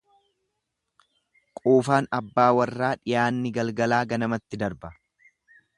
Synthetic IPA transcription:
kʼuːfaːnɐbːaːwɐrːaːᶑɪjaːnːɪɡɐlɡɐlaːɡɐnɐmɐt̪ːɪd̪ɐɾbɐ

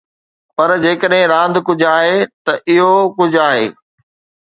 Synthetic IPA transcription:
pɐɾd͡ʑeːkəɗɦɪ̃ɾãːnd̪ʱkʊd͡ʑʱaːɦet̪ɐʔɪɦokʊd͡ʑʱaːɦḛː

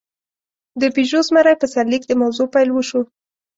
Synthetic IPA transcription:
d̪əpiʒozmaɾajpəsaɾlikd̪əmawzopajlwəʃu

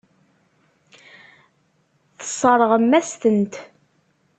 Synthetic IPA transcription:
θə̥sˤəɾˤəʁəmːæst̪ənt̪

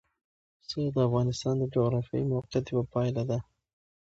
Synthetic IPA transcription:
səd̪əafɣɑnɪst̪ɑnd̪əd͡ʒoɣɾɑfjɑ̰imawqijat̪jewapɑjlad̪a

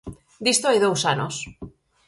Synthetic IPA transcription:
d̪ist̪oajðowsano̰s

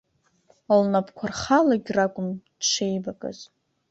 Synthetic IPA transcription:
alnapʰkʷʰarχalaɡʲrakʷʼʊmdʂʰejbakʼa̰z̥

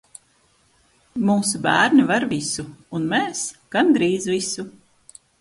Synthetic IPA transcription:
muːsubæːɾnivaɾvisuːnmɛːsɡ̥and̪ɾiːzvisu

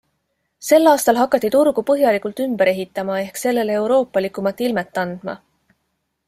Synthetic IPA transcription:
se̞lːɑːst̪ɑlɦɑkːˑɑt̪ˑːit̪uɾɡ̥upɤɦjɑlikult̪ymbeɾe̞ɦit̪ːˑɑmɑe̞hkse̞lːe̞lee̞wɾo̞ːpːˑɑlikˑumɑt̪ːˑilmet̪ːˑɑnd̪̥mɑ̰

